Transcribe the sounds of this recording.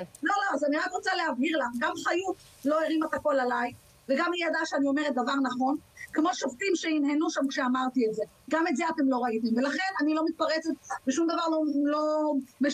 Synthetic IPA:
lolo̞azaniʁakʁo̞t͡saleavhiʁlaχɡamχajut̪ | lo̞iʁimat̪hako̞lalaj | veɡamanijad̪aʃeanio̞me̞ʁet̪̚d̪avaʁnaχo̞nkemo̞ʃovt̪imʃeinɦe̞nuʃamkʃeamaʁt̪ielze̞ | ɡametzeat̪emlo̞ʁait̪̬imve̞laχe̞nanilomit̪̚paʁet͡set̪̚beʃumd̪avaʁlolo̞me

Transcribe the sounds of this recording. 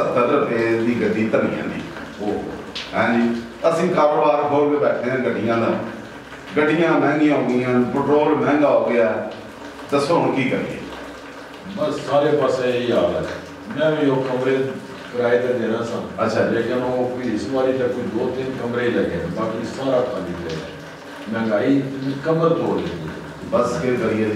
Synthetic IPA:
ət̪ːəɾpeːd̪iːɡəɖiːt̪ənḭːɛ̰̃ːnd̪ḭːoː | ɛ̰̃ːniː | əsĩːkabəbaːɾkʰoːɾkeːbɛːʈʰd̪eːɛ̃ːɡəɖɪjãːlã̰ | ɡəɖɪjãːmɛ̃ːŋɡĩːɦõːɡ̪ɪjãːpəʈɾoːlmɛ̃ːŋɡaːoːɡejaː | t̪ɛsʊɳkiːkəɾiḛː | bəssaːɾeːpaːsẽːiːaːlə | mɛ̃ːbiːoːkəmɾeː | pɾaːiːd̪eːd̪eːɾãːsãːətːʃʰaːd͡ʒeːkanõːkiɪsbaːɾiːt̪əkoid̪oːt̪ɪnkəmɾeːiləɡẽbaːkiːsaːɾaːkʰãːliːt̪eːɛ̰ː | mɛ̃ːŋɡaːĩːkəməɾd̪oːɾd̪ee | bəskɪkəɾɪeː

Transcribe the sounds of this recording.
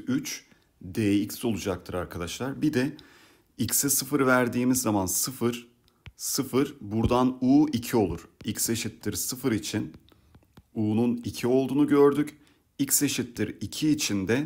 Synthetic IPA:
yt͡ʃ | d̪eicso̞lˠud͡ʒak̚t̪ʰɯɾaɾkʰad̪aʃlˠaɾbid̪ɛ | icsɛsɯfɯɾvæɾd̪iːmizːamansɯfɯɾ̥ | sɯfɯɾbuɾd̪anuːicʰio̞lˠuɾ̥icse̞ʃit̪ːiɾsɯfɯɾit͡ʃʰin | uːnunicʰio̞lˠd̪uːnuɟø̞ɾd̪yc | icʲse̞ʃit̪ːiɾicʰiːt͡ʃʰind̪ɛ

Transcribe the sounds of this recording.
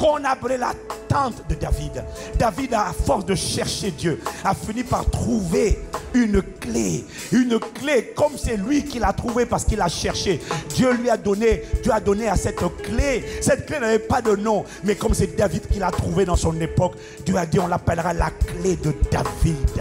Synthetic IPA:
kɔ̃naːpəlela̰t̪ɑ̃t̪d̪əd̪avid̪ | d̪avid̪aːfɔʁsd̪əʃɛʁʃed̪jøafinipaʁt̪χuveynkle | ynklekɔmsɛlɥikilat̪χuvepaʁsə̥kilaʃɛʁʃed̪jølɥiad̪ɔned̪jøad̪ɔneasɛt̪klesɛt̪klenavɛpad̪ənɔ̃ | mɛkɔmsɛd̪avid̪kʲilat̪χuved̪ɑ̃sɔ̃nepɔk | d̪jøad̪iɔ̃lapɛlʁalakled̪əd̪a̰vid̪

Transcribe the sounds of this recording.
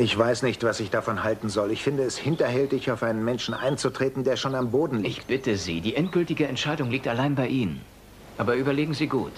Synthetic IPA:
ʔɪçv̥aɪsnɪçtv̥asɪçd̥afɔnhaltn̩zɔlɪçfɪndəɛshɪntɐɦɛltɪçaʊfʔaɪnənmɛnʃn̩ʔaɪnt͡sutʁ̥eːtn̩deːɐʃoːnamboːdn̩lɪç̚b̥ɪtʰəzḭːdiːʔɛnt̚ɡ̥ʏltɪɡəɛntʃaɪdʊŋliːk̚talaɪnbaɪʔiːnən | ʔaːbɐʔyːbɐleːɡŋ̩ziːɡṵːt

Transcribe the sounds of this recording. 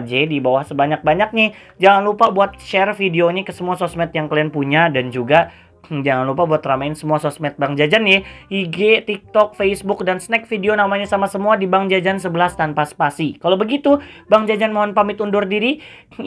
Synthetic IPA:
d͡ʒedibawahsəbaɲak̚baɲak̚ni | d͡ʒaŋanlupabuat̪̚ʃɛrfideoɲakəsəmuasɔsmɛt̪̚jaŋkəliənpuɲadand͡ʒuɡa | d͡ʒaŋanlupabuat̪ramaɪnsəmuasɔsmɛt̪̚baŋd͡ʒad͡ʒanɛiɡet̪ik̚t̪ɔk̚fejsbʊk̚dansnɛk̚fideonamaɲasamasəmuadibaŋd͡ʒad͡ʒansəbəlast̪anpaspasikalowbəɡit̪ubaŋd͡ʒad͡ʒanmaanpamɪt̪undʊrdiɾi

